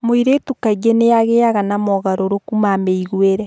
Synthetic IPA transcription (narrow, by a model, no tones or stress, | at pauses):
moiɾetukaɡenejaɣeaɣanamɔɣaɾoɾokumameiɣweɾɛ